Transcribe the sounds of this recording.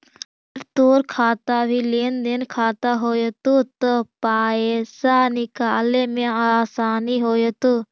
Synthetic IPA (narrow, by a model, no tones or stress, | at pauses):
əɾt̪oːɾkʰaːt̪aːbʱiːleːnd̪eːnkʰaːt̪aːɦoːjt̪ut̪opaːeːsaːnɪkaːleːmẽaːsaːniɦoːjət̪uː